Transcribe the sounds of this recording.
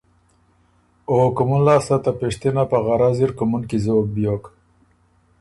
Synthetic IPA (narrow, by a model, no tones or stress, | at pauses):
okumunlaːsat̪apeʂt̪inapaɣaɾaziɾkumunkizoːk̚bjoːk